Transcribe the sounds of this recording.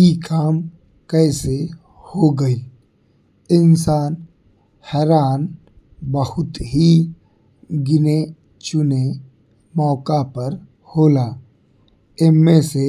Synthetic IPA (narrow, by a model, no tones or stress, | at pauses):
ikʰaːm | kɛːse | hoɡəil | ɪnsaːn | hɛːɾaːn | bəhʊt̪ɦi | ɡɪne | t͡ʃʊne | mɔːkapəɾ | hoːlaː | ɪmmese